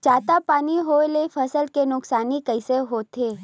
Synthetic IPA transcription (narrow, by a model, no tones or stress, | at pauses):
t͡ʃaːt̪apaːniɦoːelefʰəsəlkenʊksaːnikəɪseɦoːt̪ʰeː